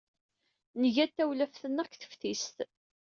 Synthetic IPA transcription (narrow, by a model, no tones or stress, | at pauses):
nəʝæt̪ːæwlæfθənːækθə̥fθist̪